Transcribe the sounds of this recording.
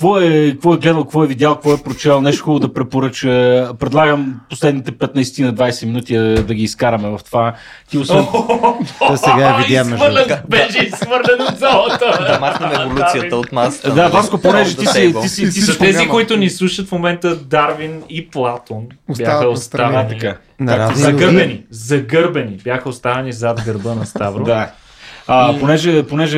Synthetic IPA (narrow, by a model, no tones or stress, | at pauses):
kvɔɛkkvɔɛɡlɛd̪əlˠkkvɔɛvid̪jalˠkvɔɛpɾot͡ʃɛlˠnɛʃt̪o̥xɔlˠod̪ɐpɾɛpoɾət͡ʃəpɾɛd̪lˠaɡəmposlɛd̪nit̪ɛpɛt̪nɐisɛ̥t̪inɐd̪vajsɛminut̪iɛd̪ɐɡʲiːskaɾɐmɛvɐft̪ova | t̪iosɛ | sɡavivəɾlɛnbɛʃɛisxvəɾlɛnod̪zalˠət̪əmaɛvolusijəəot̪nasd̪avaskoponɛʒɛt̪isit̪iit̪ist̪ɛzikoit̪ʊnislˠuʃət̪fmomɛnt̪əd̪aɾviniplˠat̪onbjaxəost̪avɛnika | azɐɡɤɾbɛnizɐɡɤɾbɛnibjaxəost̪avɛnizad̪ɡəɾbənɐst̪avɾod̪a | əponɛʒɛponɛʒɛ